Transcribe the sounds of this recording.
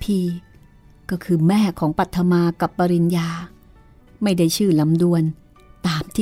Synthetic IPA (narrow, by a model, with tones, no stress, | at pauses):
pʰiː˧˩ | kɔː˥˩kʰɯː˧mɛː˥˩kʰɔː˩˦ŋpa˨˩t̪ʰːa˧maː˧ka˨˩pːa˧ɾi˧njaː˧ | ma˥˩jda˥˩jt͡ɕʰɯː˥˩la˩˦mdu˧ən | t̪aː˨˩mt̪ʰiː˥˩